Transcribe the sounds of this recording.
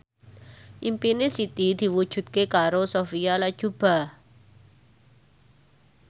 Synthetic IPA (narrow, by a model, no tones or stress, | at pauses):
ʔimpinesit̪id̪̥i̤wud̥ʒ̥ṳt̪̚kekaɾosofialḁʒ̥ub̥a̤